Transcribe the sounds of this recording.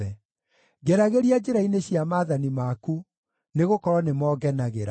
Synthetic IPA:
ɛ | ɡɛɾaɣeɾiad͡ʒeɾaineɕjamaːðanimaku | neɣokɔɾwɔnemɔːɡɛnaɣeɾa

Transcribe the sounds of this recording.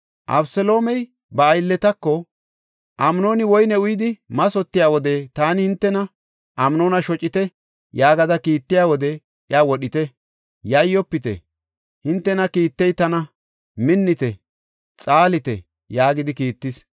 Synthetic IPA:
ʔɐ̰bsɛlo̞ːmɛj | bɐːjlːɛt̪ɐkːɔ | ʔɐmno̞ːnɪwɔjnɛʊjɪd̪ɪmɐsɔt̪ːɪjaːwɔd̪ɛt̪aːnɪhɪnt̪ːɛnɐ | ʔɐmno̞ːnɐʃɔt͡ʃʼɪt̪ɛ | jaːɡɐd̪ɐkiːt̪ːɪjaːwɔd̪ɛ | ʔɪawɔɗɪt̪ɛ | jɐjːɔpːɪt̪ɛ̰ | hɪnt̪ːɛnɐkiːt̪ːɛjt̪ɐnɐ | mɪnːɪt̪ɛ | t͡sʼaːlɪt̪ɛ̰ | jaːɡɪd̪ɪkiːt̪ːɪs

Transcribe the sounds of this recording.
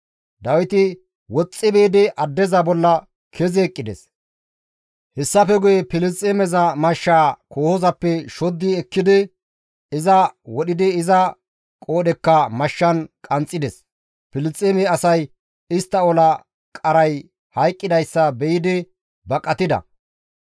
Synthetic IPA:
d̪ɐwɪt̪ɪ | wɔt͡sʼːɪbɛːd̪ɪʔɐd̪ːɛzɐbɔlːɐ | kʰɛzeːkʼːɪd̪ɛ̰s | hɛsːɐfɛɡʊjɛpɪlɪt͡sʼːemɛzɐmɐʃːaːkoːhɔzɐpːɛʃɔd̪ːɪɛkːɪd̪ɪ | ɪzɐwɔɗɪd̪ɪɪzɐ | kʼo̞ːɗɛkːɐmɐʃːɐnkʼɐnt͡sʼːɪd̪ɛs | pɪlɪt͡sʼeːmɛɐsɐj | ɪst̪ːɐɔlɐ | kʼɐɾɐj | hɐjkʼːɪd̪ɐjsːɐbɛjɪd̪ɪ | bɐkʼːɐt̪ɪd̪ɐ̰

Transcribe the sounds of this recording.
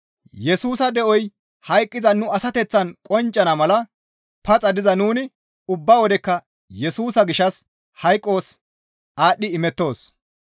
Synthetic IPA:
jɛsuːsɐd̪ɛʔɔj | hɐjkʼːɪzɐnʊɐsɐt̪ɛt͡sːɐnkʼɔnt͡ʃʼːɐnɐmɐlɐ | pɐt͡sʼɐd̪ɪzɐnuːnɪ | ʊbːɐwɔd̪ɛkːɐ | jɛsuːsɐɡɪʃɐs | hɐjkʼːo̞ːs | aːɗːɪɪmɛt̪ːo̞ːs

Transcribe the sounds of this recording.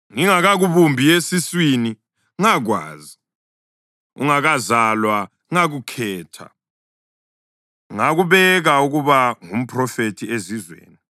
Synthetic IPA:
ŋiŋaɣaɣuβumbʱiesiswini | ŋaɣwa̰ːzi | ṵŋaɣazalwa | ŋaɣukʰɛːtʰa̰ | ŋaɣuβɛɣauɣuβaŋum̩pʰʼrɔfetʰiezizwḛːni

